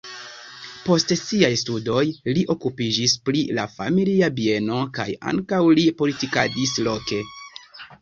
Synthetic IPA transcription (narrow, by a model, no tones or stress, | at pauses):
po̞stsiajstudo̞jliʔo̞kupid͡ʒisplilafa̰miliabie̞no̞ka̰ja̰ŋkawlipo̞litika̰dislo̞ke̞